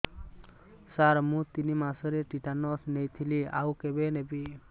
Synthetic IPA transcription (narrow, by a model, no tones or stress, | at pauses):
saɾmũt̪inimãsəɾeʈiʈanɔsnejt̪ʰilia̰wkebenebi